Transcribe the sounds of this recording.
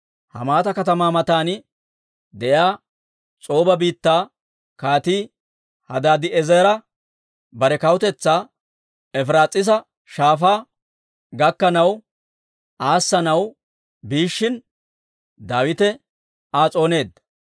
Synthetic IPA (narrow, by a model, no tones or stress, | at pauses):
hɐ̰maːt̪ɐkɐt̪ɐmaːmɐt̪aːnɪ | d̪ɛʔjaː | t͡sʼo̞ːbɐbiːt̪ːaː | kaːt̪iː | hɐd̪aːd̪ɪɛzɛɾɐ | bɐɾɛkɐwʊt̪ɛt͡sːaː | ɛfɾaːt͡sʼːɪs̬ɐ | ʃaːfaː | ɡɐkːɐnɐw | aːsːɐnɐw | biːʃːɪn | d̪aːwɪt̪ɛ | aːt͡sʼo̞ːne̞ːd̪ɐ